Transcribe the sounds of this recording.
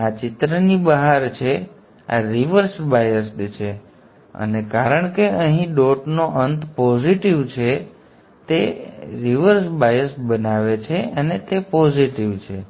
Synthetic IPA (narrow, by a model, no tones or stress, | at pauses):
at͡ʃɪt̪ɾənibəɦaɾt͡ʃʰe | a̰ɾiʋəɾsbajəsʈt͡ʃʰe | ə̰nekaɾəɳ̃keəɦĩɖoʈnoʔənt̪pɔziʈiʋt͡ʃʰe | t̪eɾiʋəɾsbajəsbənaʋet͡ʃʰeənet̪epɔziʈiʋt͡ʃʰe